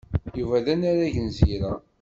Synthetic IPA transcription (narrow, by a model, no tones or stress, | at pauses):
juvæðænaɾaʝənziɾæ